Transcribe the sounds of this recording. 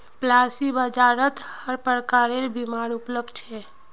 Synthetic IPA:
plasibəd͡ʒaɾət̪həɾpəɾkaɾeɾbimaɾupləb̚d̪t͡ʃʰɛ

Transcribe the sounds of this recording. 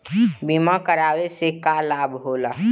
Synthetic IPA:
bimakəɾaːwesekalaːbɦoːlaː

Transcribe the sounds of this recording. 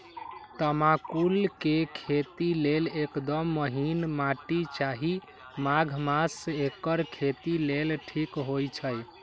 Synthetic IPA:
t̪əmakulkekʰet̪ilelekd̪əmːəɦinmaʈit͡ʃaɦi | maɡʱmasekːəɾkʰet̪ilelʈʰikɦojt͡ʃʰəj

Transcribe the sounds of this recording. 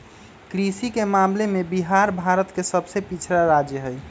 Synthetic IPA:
kɾisikemamlemebiɦaɾbʱaɾət̪kesəbsepit͡ʃʰɾaɾad͡ʒjəɦəj

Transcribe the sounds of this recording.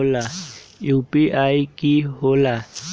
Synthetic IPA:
lajupiʔaikiɦola

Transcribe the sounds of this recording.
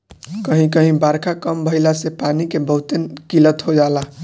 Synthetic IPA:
kəɦĩkəɦĩbaɾkʰakəmbʱəilasepanikebəɦut̪enkilət̪ɦod͡ʒala

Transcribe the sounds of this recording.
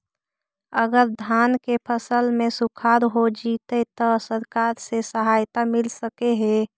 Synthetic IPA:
əɡəɾd̪ʱaːnkepʰəsəlmesukʰaːɾɦod͡ʒit̪et̪ɔsəɾkaɾsesəɦaːjt̪amɪlsəkeɦe

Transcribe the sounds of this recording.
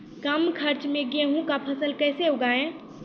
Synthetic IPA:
kəmkʰəɾt͡ʃmẽɡeɦũkapʰəsəlkɛseɦoɡaẽ

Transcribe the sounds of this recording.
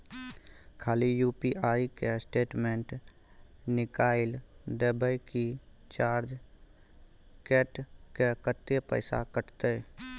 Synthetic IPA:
kʰaːlijuːpiʔaːikesʈeːʈmẽɳʈ | nɪkaːɪld̪eːbʱəjki | t͡ʃaːɾd͡ʒ | keːʈkekət̪ːepə̰ɪsa̰kəʈt̪e

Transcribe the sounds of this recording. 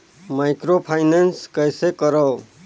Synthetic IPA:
majkɾopʰajnenskʌjsekʌɾʌw

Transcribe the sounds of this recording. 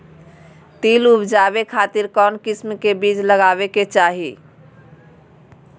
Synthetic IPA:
t̪ilubd͡ʒabekʰat̪iɾkɔnkismkebid͡ʒləɡaβeket͡ʃaɦi

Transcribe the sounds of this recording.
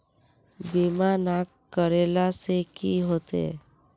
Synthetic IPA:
bimanak | kːəɾelasekiɦot̪ḛ

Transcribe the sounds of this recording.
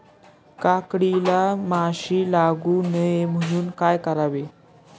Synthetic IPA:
kakɽilamaɕiːlaɡuːnəjem̤əɽ̃uːnkajkəɾaʋe

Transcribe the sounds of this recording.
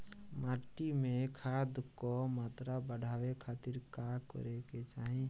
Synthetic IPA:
maʈimẽkʰad̪kɔmat̪ɾabəɽʱaːwekʰat̪iɾkakɔ̰ɾeket͡ʃaːɦĩ

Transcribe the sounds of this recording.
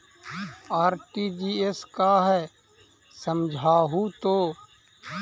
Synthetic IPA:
aːɾʈiːd͡ʒiːeskaːɦɛː | səmd͡ʒʱaːɦuːt̪oː

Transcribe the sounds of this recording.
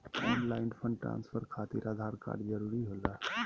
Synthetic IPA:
ɔːnlaɪnɖpʰə̃ɳɖʈɾã̰ːnspʰəɾkʰat̪iɾad̪ʱaɾka̰ɖd͡ʒəɾuɾiɦola

